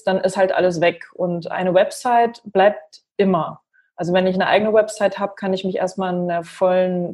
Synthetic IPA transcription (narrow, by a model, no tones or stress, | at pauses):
d̥anʔɪsthaltʔa̰ləs̬v̥ɛkʔʊntʔa̰ɪnəvɛpz̥aɪtb̥laɪp̚tʔɪmɐ | ʔalzovɛnɪçnəʔa̰ɪɡənəvɛpz̥aɪthaːbə̥kʰanɪçmɪçʔḛːɐst̚maːlndeːɐfɔlən